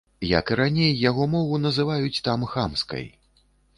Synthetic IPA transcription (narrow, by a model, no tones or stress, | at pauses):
jɐ̰kɨɾanʲejːaɣɔmɔvunɐzɨvajut͡sʲt̪amxamskɐ̰j